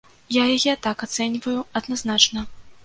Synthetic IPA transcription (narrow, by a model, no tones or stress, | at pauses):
jajajɛt̪akat̪sɛnʲvɐjuɐd̪naznat͡ʂnɐ